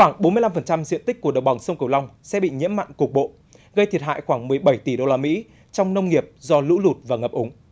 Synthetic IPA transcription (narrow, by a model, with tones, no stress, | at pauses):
xwaː˧˩ŋɓo˨˦nmɨ˧əla˧mfə˨˩nt͡ɕa˧mzḭ˧ənt̪i˦˥k̚kːu˧˩əɗə˨˩wɓa˨˩ŋ͡msə˧wŋ͡mkə˨˩wla˧wŋ͡msɛ̰˧˥ɓḭ˧˨ɲḭ˧˥əmːa̰˧˨jŋku˨˩k̚ɓo̰˧˨ | ɣə˧jt̪ʰi˨˩ət̚ɦa̰ː˧˨jxwaː˧˩ŋmɨ˨˩əjɓə˧˩jt̪i˧˩ɗo˧laː˧mḭ˧˥ | t͡ɕɔ˧wŋ͡mnə˧wŋ͡mŋi˨˩əp̚zɔ˧lɨ̰˧˥lu˨˩t̚vaː˨˩ŋəː˨˩p̚ʔʊ˨˩˦ŋ͡m